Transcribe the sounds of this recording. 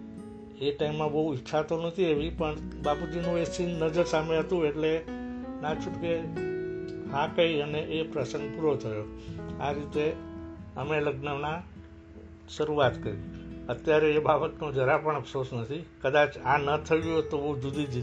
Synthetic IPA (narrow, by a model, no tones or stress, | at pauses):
eʈaimːãbəɦuiʃʰat̪onət̪ʰieʋipəɳbapud͡ʒinũʋesinːəd͡ʒəɾsameɦət̪ũeʈlenãt͡ʃʰũʈke | ɦãkəiəneʔepɾəsə̃ŋɡ̚puɾot̪ʰəjoa̰ɾit̪e | əmeləɡnəʋna | ʃəɾuat̪kəɾḭət̪jaɾeːbabət̪nod͡ʒəɾapəɳ̃əpsosnət̪ʰikəd̪at͡ʃãnət̪ʰəjjot̪obəɦud͡ʒud̪ʱid͡ʒi